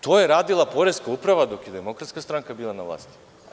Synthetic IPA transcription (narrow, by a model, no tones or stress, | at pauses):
t̪ojeɾaːd̪ilˠapo̞ɾeskaupɾaʋad̪okjed̪emo̞kɾat̪skast̪ɾaŋkabiːlˠanaʋlˠa̰ːst̪i̥